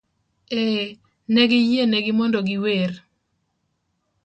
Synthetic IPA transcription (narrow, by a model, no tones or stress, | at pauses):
e | nɛɡɪjenɛɡɪmɔndɔɡɪwer